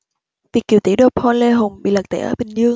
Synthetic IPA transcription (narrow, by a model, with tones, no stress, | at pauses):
vi˨˩ək̚ːḭ˨˧˩wt̪i˧˥ɗo˧˩pʰɔ˧nle˧ɦʊ˨˩ŋ͡mɓḭ˧˨lə˨˩k̚t̪ʰḛ˧˩ʔəː˧˩ɓï˨˩ŋ̟zɨ˧əŋ